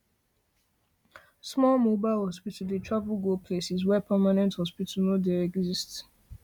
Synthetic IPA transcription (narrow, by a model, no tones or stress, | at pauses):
smɔlmobaɪlhɔspitl̩detʰɹavulɡopʰlesizwɛpʰɛmanɛ̃nthɔspitʰl̩nodeɛɡzist